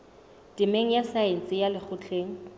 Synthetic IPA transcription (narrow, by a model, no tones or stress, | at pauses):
tʼɪmeŋ̩jasaen̩t͡sʼɪjalɪk͡xʰʊt͡ɬʰeːŋ̩